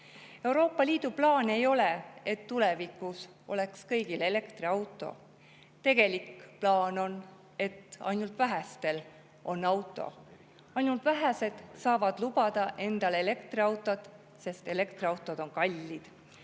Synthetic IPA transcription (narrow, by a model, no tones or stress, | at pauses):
e̞uwɾo̞ːpˑːɑlʲiːd̪̥uplɑːne̞jo̞leet̪ːule̞vikːˑus | o̞̰le̞kskɤ̞jɡ̥ile̞le̞kt̪riɑwt̪ːˑo̞̰ | t̪e̞ɡ̥e̞likplɑːno̞n | e̞t̪ɑ̰jnult̪væɦæst̪e̞l | ʔo̞nːɑwt̪ˑːo̞̰ | ɑjnult̪væɦæse̞d̪̥sɑːvɑd̪̥lub̥ɑd̪̥ɑʔe̞nd̪̥ɑle̞le̞kt̪riɑwt̪ːˑot̪ˑ | se̞st̪e̞le̞kt̪riɑwt̪ːˑo̞d̪̥o̞nkɑlʲːid̪̥